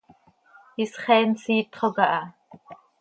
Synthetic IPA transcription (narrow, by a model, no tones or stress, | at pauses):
isχeːnsiːt̪χoɣaʔɑ